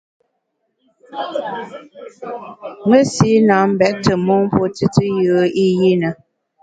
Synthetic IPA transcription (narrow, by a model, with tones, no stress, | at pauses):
ŋə˦si˦na˨˦m̩˦bɛ˨ʔ̚tə˨mɔ˦ŋ̩˦po˦tɨ˦tɨ˦jəː˨˦i˦ji˦nə˨